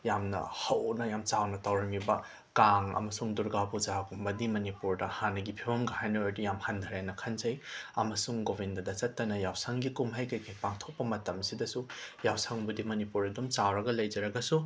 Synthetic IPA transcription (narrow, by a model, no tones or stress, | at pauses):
jamnɐ̰hɐwnɐjamt͡ʃawnɐtawɾɐmibɐ | kaŋɐ̰mɐsuŋduɾɡabud͡ʒakumbɐdimɐnipuɾdɐhanːɐɡipʰibɐmɡɐhajnɐojdijamhand̪ʱɐɾajnɐkʰɐnzɐjɐmɐsuŋɡobindɐdɐt͡ʃɐtːɐnɐjawsɐŋɡikumɦajkɐjkʰajpaŋtʰok̚pɐmɐtɐmsidɐsujawsɐŋbudimɐnipuɾɐdumt͡ʃawɾɐɡɐlɐjd͡ʒɐɾɐɡɐsu